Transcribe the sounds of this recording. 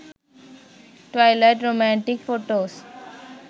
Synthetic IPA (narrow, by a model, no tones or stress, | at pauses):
ʈʋaɪlaɪʈɾomæ̃ɳʈɪkfoːʈoːs